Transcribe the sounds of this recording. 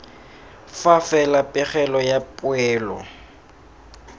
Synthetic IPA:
fafɛlapʼɪχɛlɔjapʼʊɛːlɔ̰

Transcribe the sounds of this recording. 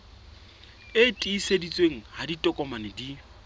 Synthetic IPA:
ɪtʼiːsedit͡sʼweŋ̩haditʼɔkʼɔmanɪdi

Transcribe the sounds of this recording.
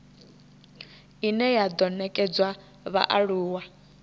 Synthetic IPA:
inɛjad̪ɔnɛkʼɛd͡zwa | βa̰ʔaɺuːwa

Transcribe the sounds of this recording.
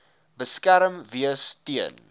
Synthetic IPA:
bəskæɾəmviəstiən

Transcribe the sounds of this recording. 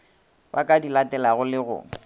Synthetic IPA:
bakʼadilatɛlaɣʊlɪɣʊ̰ː

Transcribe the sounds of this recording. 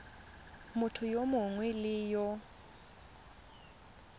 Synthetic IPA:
mʊtʰʊjomʊɦŋwilɪːjɔ

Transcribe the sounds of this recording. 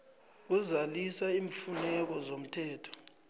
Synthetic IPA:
k̬uzalisaiːɱfunɛk̬ɔzom̩tʰɛːtʰɔ̥

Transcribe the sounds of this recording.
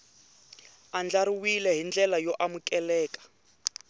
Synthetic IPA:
and͡ɮaɾiwilɛɦind͡ɮɛlajɔʔamukɛlɛːkʼḁ

